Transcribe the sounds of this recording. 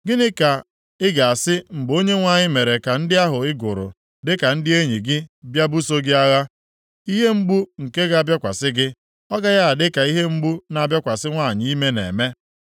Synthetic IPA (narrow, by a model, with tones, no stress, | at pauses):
ɡɪ˦nɪ˦ka˨ | ɪ˦ɡa˨a˨sɪ˦m̩˨ɡ͡bo˦ɲe˦ŋʷa˦˨ɲɪ˦me˨ɾe˨ka˨n̩˦dɪ˦a˦ɦʊ˨ɪ˦ɡʊ˨ɾʊ̰˨ | dɪ˦ka˨n̩˦dɪ˦e˦ɲi˨ɡɪ˦bja˦bu˦so˦ɡɪ˦a˦ɣa˦ | i˦ɦe˦m̩˦bu˦ŋ̩˨ke˦ɣa˦a˦bja˦kʷa˨sɪ˦ɡɪ˦ | ɔ˦ɡa˦ja˦a˨dɪ˦ka˨i˦ɦe˦m̩˦ɡ͡bu˦na˨bja˦kʷa˨sɪ˦ŋʷa˦˨ɲi˦i˦me˦nḛ˨me˦